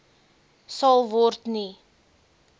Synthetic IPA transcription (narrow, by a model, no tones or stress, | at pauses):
sɐlˠvɔrtni